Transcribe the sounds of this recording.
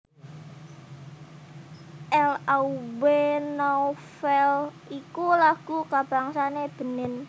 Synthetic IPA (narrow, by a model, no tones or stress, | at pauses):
ʔɛlauwenɔfɛl | ikulaɡ̥ukab̥a̤ŋsaneb̥ə̤nɪn